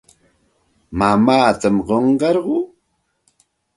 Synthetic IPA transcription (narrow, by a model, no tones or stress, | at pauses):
mamaːt̪amɢoɴɢɑɾɢʊː